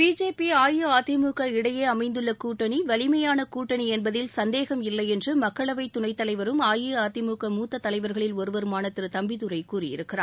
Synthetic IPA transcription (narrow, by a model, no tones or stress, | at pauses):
b̥iːd͡ʒeːpiaːjɯaːt̪ɪmuːkɐɪɽɐjeːɐmɐɪnd̪ɯɭːɐkuːʈːɐɳiʋɐɭɪmɐjaːnɐkuːʈːɐɳiɛnbɐðɪlsɐnd̪eːɣɐmɪlːɐɪɛndrɯmɐkːɐɭɐʋɐɪt̪ːʊɳɐɪt̪ːɐlɐɪʋɐɾɯmaːjɯaːt̪ɪmuːkɐmuːt̪ːɐt̪ːɐlɐɪʋɐɾɣɐɭɪlɔɾɯʋɐɾɯmaːnɐt̪ːɯɾɯt̪ɐmbɪðɯɾɐɪkuːrɪjɪ̰ɾɯkːɪra̰ː